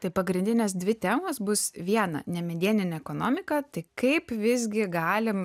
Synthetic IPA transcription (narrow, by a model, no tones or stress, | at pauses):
t̪ɐɪpɐɡɾʲɪnʲd̪ʲɪnʲeːs̬d̪ʲʋʲɪt̪ʲæːmosbʊsʋʲiɛnɐ̰nʲɛmʲɛd̪ʲiɛnʲɪnʲɛɛkoːnoːmʲɪkɐt̪ɐɪkɐɪpʋʲɪzʲɡʲɪɡɑːlʲɪm